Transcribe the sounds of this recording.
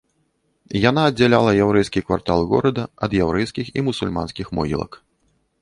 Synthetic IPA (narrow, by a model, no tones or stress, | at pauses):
janaːd͡zʲalʲalˠɐjawɾɛjskʲikva̰rt̪alˠɣɔ̰ɾɐd̪ɐɐd̪jawɾɛjskʲiximusulʲma̰nskʲixmɔ̰ɣʲḭlˠɐ̰k